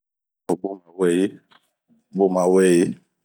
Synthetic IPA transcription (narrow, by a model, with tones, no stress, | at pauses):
o˨ɡ͡bo˦ma˨wɛ˦˨je˦˨ | ɡ͡bo˦˨mã˨wɛ˦˨je˦